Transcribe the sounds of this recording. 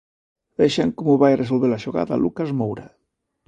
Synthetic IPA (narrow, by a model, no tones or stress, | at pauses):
βɛʃaŋkɔmuβajaresolβeɾlaʃuɣa̰ða̰lukazmowɾa